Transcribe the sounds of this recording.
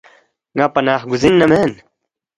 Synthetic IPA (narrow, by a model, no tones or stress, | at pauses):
ŋapɐnaːχɡuzinːɐmeːn